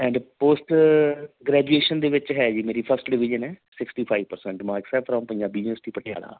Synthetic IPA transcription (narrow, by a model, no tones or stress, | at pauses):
ɛ̃ːɳɖpoːsʈ | ɡɾɛːd͡ʒueːʃənd̪eːʋɪt͡ʃɦɛːd͡ʒiːmeːɾiːpʰəɾsʈɖɪʋɪd͡ʒənɛːsɪksʈiːpʰaːiʋpəɾsɛ̃ɳʈmãːɪksɛːpʰɾãːmpəjãːbiːnəsʈ̪iːpəʈʰɪja̰ːɽa̰ː